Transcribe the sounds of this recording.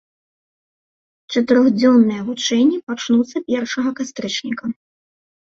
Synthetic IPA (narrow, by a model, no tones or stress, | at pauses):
t͡ʂɐt̪ɨɾɔɣd͡zʲɔnːɨjɛɣut͡ʂɛnʲːipat͡ʂnut̪sːɐpʲɛrʂɐɣɐkast̪ɾɨt͡ʂnʲikɐ